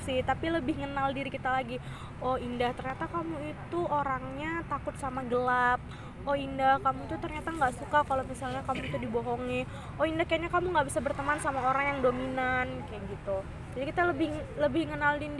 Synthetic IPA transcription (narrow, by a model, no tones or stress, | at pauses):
sɪht̪apiləbɪhŋənaldiɾikit̪alaɡi | ɔindaht̪ərɲat̪akamuit̪uoɾaŋɲat̪akʊt̪̚samaɡəlap̚ | oindahkamuit̪ut̪ərɲat̪aŋɡaʔsukakalomisalɲakamuit̪udiboɦɔŋi | oindahkajaɲakamuŋɡabisabərt̪əmansamaoɾaŋjaŋdominankajaɡit̪u | d͡ʒadikit̪aləbɪhləbɪhŋənaldin